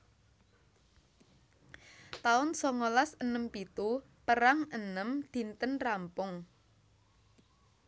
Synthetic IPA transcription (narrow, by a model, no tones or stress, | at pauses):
t̪aʊnsɔŋolasənəmpit̪u | pəɾaŋənəmd̪̥i̤nt̪ənrampʊŋ